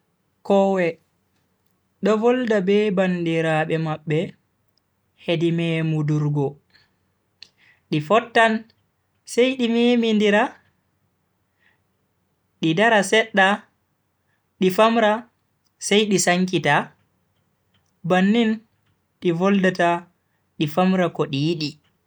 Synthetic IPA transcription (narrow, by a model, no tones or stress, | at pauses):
kɔwɛ | ɗɔvɔldabɛbandiɾaɓɛmaɓːɛ | hedimɛmuduɾɡɔ | ɗifɔtːan | sajɗimemindiɾa | ɗidaɾasɛɗːa | ɗifamɾa | sajɗisaŋkita | banːin | ɗivɔldata | ɗifamɾakɔɗijiɗi